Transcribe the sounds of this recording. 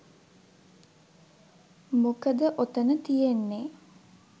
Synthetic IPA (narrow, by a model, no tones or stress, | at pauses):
mokəd̪əʔot̪ənət̪ijenːe